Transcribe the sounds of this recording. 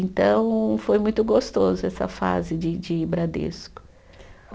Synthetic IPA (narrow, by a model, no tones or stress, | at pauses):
ẽnt̪ɐ̃w̃fojmũj̃t̪ʊɡost̪ozʊɛsɐ̰fa̰zɪd͡ʒɪd͡ʒɪbɾad̪ḛskʊ̥